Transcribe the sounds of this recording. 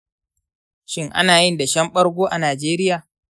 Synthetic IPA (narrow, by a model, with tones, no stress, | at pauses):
ʃɪ˦ŋʔa̰˦naː˨jɪ˦nda˨ʃɐ˦mɓɐ˦ɽɡʷoː˦ʔa˨naː˨d͡ʒeː˦ɾɪ˦jaː˨